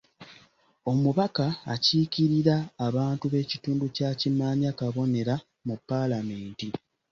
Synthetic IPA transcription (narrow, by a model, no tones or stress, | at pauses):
o̞muβaka̰ːciːciɾiɾaːβaːntuβe̞ːcituːnducaːcimaːɲakaβo̞ne̞ɾa | mupːalame̞ːnti